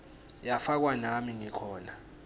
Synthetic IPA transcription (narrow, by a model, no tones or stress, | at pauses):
jafak̬wanamiŋikʰɔːna